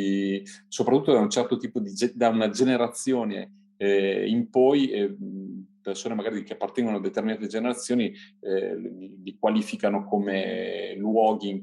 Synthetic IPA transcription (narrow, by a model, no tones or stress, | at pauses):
isopɾat̪ːut̪ːod̪aunt͡ʃɛrt̪ot̪iːpod̪id͡ʒd̪aunad͡ʒeneɾat̪sːjoːnḛ | impɔj | persoːnemaɡaːɾikeapːart̪ɛŋɡonoad̪ːet̪erminaːt̪ed͡ʒeneɾat̪sːjoːni | lilikwaliːfikanokomḛlwɔːɡiŋ